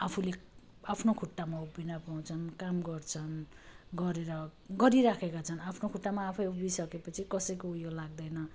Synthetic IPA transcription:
apʰule | apʰnokʰuʈːamaubinapaw̃t͡sʰʌnkamɡʌrt͡sʰʌn | ɡʌɾeɾʌɡʌɾiɾakʰekat͡sʰʌnapʰnokʰuʈːamaːpʰʌjubisʌkepʌt͡sʰikʌsʌjkoujolaɡ̚d̪ʌjnʌ

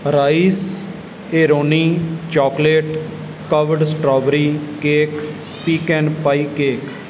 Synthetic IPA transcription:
ɾaːis | eːɾoːniːt͡ʃɔːkleːʈ | kəʋəɖsʈɾɔːʋɾiːkeːk | piːkɛːnpaiːkeːk

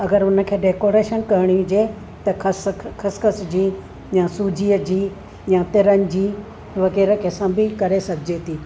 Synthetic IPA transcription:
ɐɡəɾʊnə̆kʰeːɖeːkoːɾeːʃənkɐɦɪɽ̃ĩd͡ʑeː | t̪ɐɐskʰɐskəsd͡ʑiː | jãsuːd͡ʑiːəd͡ʑiː | jãt̪ɪɾənɪ̆d͡ʑiː | ʋɐɣeːɾəkʰeːsãbɪkɐɾesɐɡʰd͡ʑeːt̪ʰiː

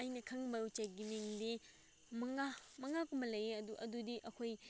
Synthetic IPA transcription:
ɐjnɐkʰɐŋbɐut͡ʃaɡimiŋdi | mɐŋamɐŋakumbɐlɐjeɐduʔɐdudiʔɐkʰoj

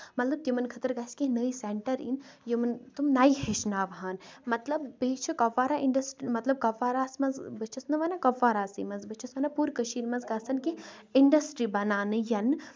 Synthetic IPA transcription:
mɐt̪lɐb̚t̪imɐnkʰɐt̪əɾɡasʲkinəiseɳʈɐɾḭnjimɨnt̪umnaːjɦeʃnaːʋɦaːnmɐt̪lɐbːeːt͡ʃʰɨkɐʋːaːɾaʔiɳɖɐsʈɾimɐt̪lɐb̚kɐʋːaːɾaːsmɐzbɨt͡ʃʰɐsnɨʋɐnakɐʋːaːɾaːsḭːmɐzbɨt͡ʃʰɐsʋɐnapuːɾkəʃiːɾmɐnzɡɐsɐnkiiɳɖɐsʈɾibɐnaːnɨjɐn

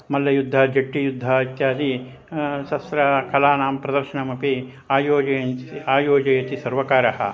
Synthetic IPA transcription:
mɐlːɐjud̪ʱːɐd͡ʒɐʈːijud̪ʱːait̪jaːd̪i | ʃɐsɾɐkɐlaːnaːmpɾɐd̪ɐɾʃɐɳɐmɐpi | aːjoːd͡ʒɐaːjoːd͡ʒɐjɐt̪isɐɾʋɐkaːɾɐhɐ̰

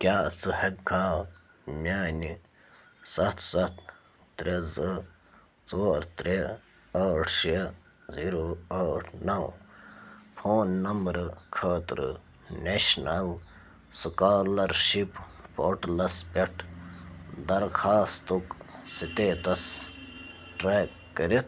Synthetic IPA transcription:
kʲjaːt͡sɨhɐkɡaː | mʲaːni | sɐt̪ʰsɐt̪ | t̪ɾezɨ | t͡soːɾt̪ɾe | ɐːʈʰʃe | ziːɾoːɐːʈʰnɐw | fʰoːnːɐmbɾkʰaːt̪ɾɨ̰ | neʃnɐl | sukaːlɐɾʃippoːʈlɐspeʈʰ | d̪ɐɾkʰaːst̪uksit̪eːt̪ɐs | ʈɾaːk | kːɐɾit̪̚ʰ

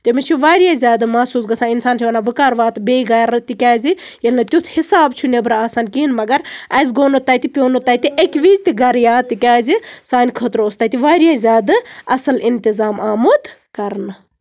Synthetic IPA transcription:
t̪emit͡ʃʰiʋaːɾjaːzʲaːd̪ɨmɐsuːs̬ɡɐsãːinsaːnt͡ʃʰiʋɐnaːbɨkaːɾʋaːt̪beːɡɐɾɨt̪ikʲaːzi | jelʲnɐt̪ʲut̪ʰhisaːbt͡ʃʰunebɾaːsaːnkinmɐɡɐɾɐzɡoːnot̪ːaːt̪ipʲjoːnot̪ːaːt̪iʔekʋiːzt̪iɡɐɾjaːt̪ikʲaːzisaːnʲkʰət̪ɾoost̪aːt̪iʋaːɾjaːzʲaːd̪ɨɐsɐlint̪izaːmaːmut̪kɐɾnɨ

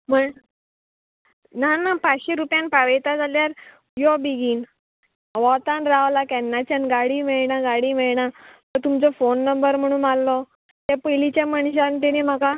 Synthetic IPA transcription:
m̤əɳ | nanapat͡sɕeɾupjanpaʋejt̪ad͡zaljaɾ | jɔbiɡiːn | ʋɔt̪anɾaʋlakɛnːat͡ɕanɡaɽimɛɭɳaɡaɽimɛɭɳat̪əɾt̪umt͡sɔfonːəmbəɾm̤əɽ̃uːnalːɔ | t̪apəjlit͡ɕjaməɳɕant̪enem̤aka

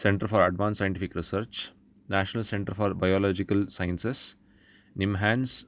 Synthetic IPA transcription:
sẽɳʈəɾfɔːɾɐɖʋãːnsaɪ̃ɳʈifikɾisəɾt͡ʃ | næːʃənɐlsẽɳʈəɾfɔːɾbajɔːlɔːd͡ʒikɐlsaɪə̃nses | nimɦæ̃ːns

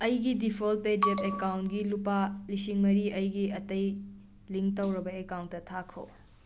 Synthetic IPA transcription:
ɐjɡidipʰolped͡ʒepekawntɡilupalisiŋmɐɾiʔɐjɡiɐtɐj | liŋk̚tɐwɾɐbɐekawntːɐtʰakʰo̰

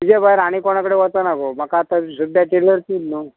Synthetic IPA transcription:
tid͡ʑebʱajɾaɽ̃ikoɽ̃akəɽeʋət̪ənakom̤akaːt̪asud̪ʱaʈeləɾt̪iːlnu

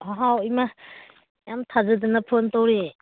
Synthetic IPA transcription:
haɦawima | jamtʰazadɯnɐpʰɯntowɾe

